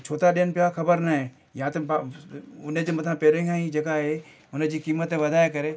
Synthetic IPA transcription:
t͡ʃʰoːt̪aɗenpɪakʰɐbəɾnaɦẽ | jɐɦãt̪ɐb | ʊnẽd͡ʒomɐt̪ʰãpeːɾẽɡãĩd͡ʒɐɡaɦe | ʊnẽd͡ʒikiːmət̪ẽʋɐd̪ʱaːjekɐɾe

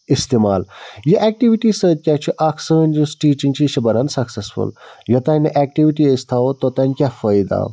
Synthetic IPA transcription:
ist̪emaːljɐʔɛːk̚ʈiʋiʈisəːd̪̚kʲat͡ʃʰiʔakʰsəːnʲd͡ʒusʈiːt͡ʃiŋɡt͡ʃʰiʃɐbɐɾɐnsɐksesfṵljɐt̪ɐnʲiʔɛːk̚ʈiʋiʈiest̪ʰaːot̪ot̪ɐnʲkʲafɐjd̪a̰

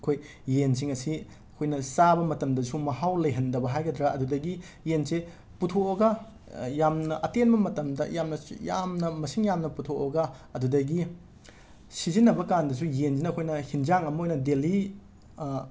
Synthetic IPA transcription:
ɐkʰoj | jens̬iŋɐsi | ɐkʰojnɐsabɐmɐtɐmdɐsumɐhawlɐjɦɐndɐbɐɦajɡɐdɾaɐdudɐɡi | jense | putʰooɡɐ | jamnɐʔɐtenbɐmɐtɐmdɐ̰jamnɐja̰mnɐmɐsiŋjamnɐputʰooɡɐɐdudɐɡi | sizinːɐbɐkandɐs̬ujenzinɐkʰojnɐhind͡ʒaŋɐmɐojnɐdeli

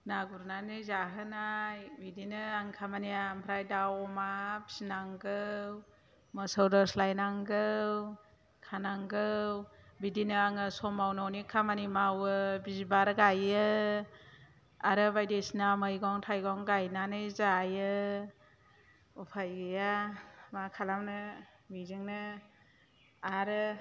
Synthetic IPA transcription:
naɡuɾnanɯjzaɦɯnajbidinɯaŋkʰamaniampʰɾajdawɔmabi̥sinaŋɡɯw | mɔsɔwdɔslajnaŋɡɯw | kʰanaŋɡɯwbidinɯaŋɯsɔmawnɔwnikʰamanimawɯbizibaɾɯɡajɯ | aɾɯbajdesinamɯjɡɔŋtʰajɡɔŋɡajnanɯjzaːjɯ | ɔpʰajɡɯjamakʰalamnɯ | mizɯŋnɯ | aɾɯ

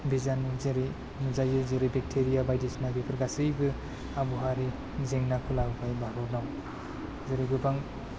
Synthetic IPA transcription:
bizanzeɾe | nuzajɯzɯɾebek̚tʰeɾijabajdismaɡipʰɯɾɡasɯjbɯ | abuɦaɾe | zeŋnakʰulaɡɯpʰajbaɾɔɾnaw | zɯɾiɡɯbaŋ

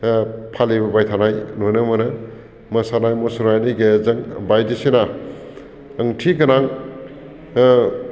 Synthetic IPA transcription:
pʰalebɐbajtʰanajnonɯmɐnɐ | mɐsanajmosuɾajniɡezɐŋbajdisena | əŋtʰiɡɐnaŋ

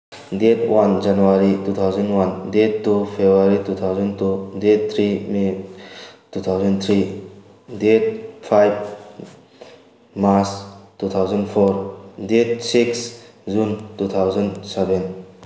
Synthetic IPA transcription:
detwand͡ʒanuwaɾitut̪ʰawzɔnwandetːupʰebɾaɾitut̪ʰawzɔntudett̪ʰɾime | tut̪ʰawzɔnt̪ʰɾi | det̚pʰajb | maɾstut̪ʰawzɔnpʰɔɾdet̚siks | zuntut̪ʰawzɔnsɛbɛn

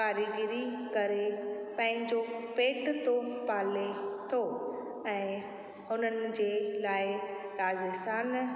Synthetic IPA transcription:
kaːɾiɡɪɾi | kɐɾepɐ̃ɦɪ̃ɲd͡ʑopeːʈt̪opaːlet̪ʰoː | ɛ̃ː | hʊnənɪ̆d͡ʑeːlaːɪɾaːzɪst̪aːn

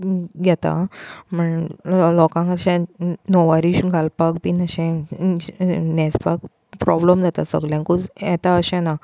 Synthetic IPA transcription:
ɡʱɛt̪a̰m̤əɳlɔkãŋkaɕɛ̃nɔʋaɾiɕɡʱalpakbinəɕɛ̃ | nɛd͡zpak̚ | pɾɔbləmd͡zʱat̪asə̰ɡljãŋkut͡sjɛt̪aəɕɛ̃na

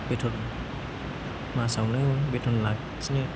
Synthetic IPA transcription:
betʰɔn | masawnɯbetʰɔnlak̚ | snɯ

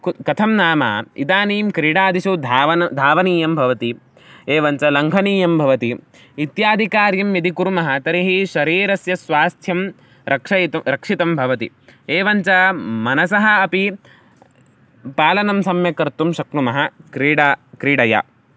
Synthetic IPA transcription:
kɐt̪ʰɐmnaːma̰ːḭt̪aːniːmkɾiːɽaːd̪iʃud̪ʱaːʋɐd̪ʱaːʋɐniːjɐmbʱɐʋɐt̪i | eːʋɐɲt͡ʃɐlɐŋɡʱɐniːjɐmbʱɐʋɐt̪iː | t̪jaːd̪ʱikaːɾjɐmjɐd̪ikuɾumɐɦɐ̆t̪ɐɾiɦiʃɐɾiːɾɐsjɐsʋaːst̪ʰjɐm | ɾʔɐkʂɐjt̪ɐɾɐkʂit̪ɐmbʱɐʋɐt̪ḭ | eːʋɐɲt͡ʃɐmɐnɐsɐɦɐɐpi | paːlɐnɐmsɐmjɐkɐɾt̪umʃɐknumɐɦɐkɾiːɽakɾiːɽɐja̰

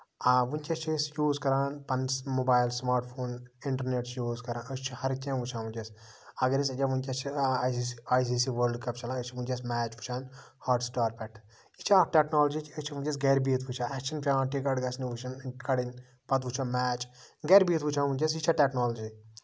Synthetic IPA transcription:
aʋunt͡ʃɐst͡ʃʰisjuːzkɐɾaːnpɐnsmobaːjlsmaːɾʈpʰoːniɳʈɐɾneːʈsjuːzkɐɾãːnɐst͡ʃʰihɐɾt͡ʃʲẽːʋut͡ʃʰãːnʋunʲt͡ʃʲɐs | ɐɡɐɾis̬ɐt͡ʃʲaʋunʲt͡ʃʲɐt͡ʃʰi | aːjs̬iːsiːʋəːɾlɖkɐpt͡ʃʰɐlãːɐt͡ʃʰiʋunʲt͡ʃɐs̬mɛːt͡ʃʋut͡ʃʰaːnhaːɾʈsʈaːɾpɛʈ | jit͡ʃʰaʈeːknoːld͡ʒit͡ʃʰɐst͡ʃʰiʋunt͡ʃɐs̬ɡeːɾbiːt̪ʰʋut͡ʃʰaːɛːkʃʰɐnpʲãːʈikɐɖɡɐsniʋut͡ʃʰɐnkɐɽin | pɐt̪ʋut͡ʃʰãːmɛːt͡ʃɡeːɾbiːt̪ʋut͡ʃʰãːnʋunʲt͡ʃɐs̬jit͡ʃʰaːʈeknoːlɐd͡ʒi

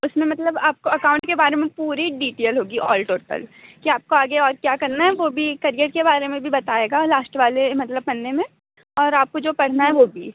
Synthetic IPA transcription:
ʊsmẽmɐt̪ləbaːp̚koɐkãːʊ̃ɳʈkebaːɾemẽpuːɾiɖiːʈeːlɦoːɡiɔ̰ːlʈoːʈə̰lkiaːp̚koaːɡeɔːɾkjaːkɐɾnaɦɛʋoːbʱikɐɾijəʈ̚kebaːɾemẽbʱibɐt̪aːeːɡalaːsʈʋaːlemɐt̪ləb̚pɐnːemẽ | ɔːɾaːp̚kod͡ʒoːpɐɽ̤naɦɛʋoːbʱiː

